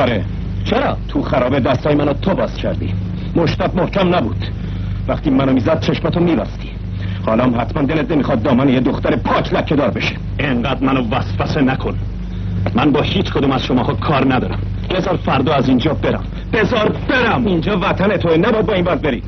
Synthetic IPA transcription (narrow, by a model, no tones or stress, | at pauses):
ɒɾe | t͡ʃʰeɾɒːt̪ʰuxæɾɒːbe̞d̪æst̪ɒːjemænot̪ʰobɒːscʲʰæɾd̪ḭː | moʃt̪æbmohcæmnæbṵːd̪̥ | væχt̪iːmænomiːzæd̪̥̚t͡ʃʰe̞ʃmæt̪ʰomiːvæ̰st̪i̥ː | hɒːlɒːmhæt̪ʰmænd̪elet̪̚nemixɒd̪̚ːɒːmænejed̪oxt̪æɾepʰɒːcʰlækʰːe̞d̪ɒːɾbe̞ʃe̥ | eŋɢæːd̪mænovæsfæsenækʰonː | ænbɒːhiːt͡ʃkʰod̪uːmæz̥ʃomɒːhɒːkʰɒːɾnæd̪ɒːɾæ̰m | b̥ezɒːɾfæɾd̪ɒːæzind͡ʒɒːbeɾæ̰m | b̥ezɒːɾbeɾæmind͡ʒɒːvæt̪ʰænet̪ʰonæbɒæd̪̚bɒːiːnvæɾd̪be̞ɾiː